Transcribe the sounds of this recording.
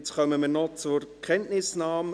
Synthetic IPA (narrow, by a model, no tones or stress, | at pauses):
t͡sχœməmiːnɔt͡sʊɾkʰɛntnɪsnɑːm